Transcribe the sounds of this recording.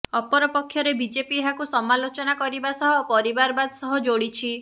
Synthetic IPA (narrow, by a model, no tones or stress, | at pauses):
ɔpɔɾɔpɔkʰːjɔɾebid͡ʒepiɦakusɔmalot͡ʃɔnakɔɾibasɔɦɔpɔɾibaɾɔbad̪ɔsɔɦɔd͡ʒoɽit͡ʃʰi